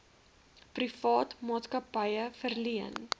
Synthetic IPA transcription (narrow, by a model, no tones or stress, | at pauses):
prifɑːtmɑːtskɐpəjəfərliən